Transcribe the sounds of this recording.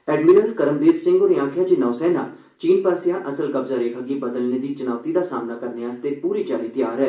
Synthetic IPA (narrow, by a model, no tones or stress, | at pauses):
ɛːɖmiːɾəlkəɾəmbiːɾsɪ̃ŋɡoːɾiãːkʰjaːt͡ʃɪnɔːsɛːna̰ː | t͡ʃiːnpəɾsɪjãːʔəsəlkəbzaːɾeːkʰaɡiːbəd̪əlneːd̪iːt͡ʃənaːʋt̪iːd̪aːsaːmnaːkəɾneːaːst̪eːpuːɾiːt͡ʃaːliːt̪jaːɾɛː